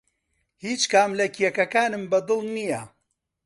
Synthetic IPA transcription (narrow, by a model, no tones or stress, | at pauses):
hiːt͡ʃkaːmlɐkʰijɛkɐkaːnɨmbɐd̪ɨlˠnijɐ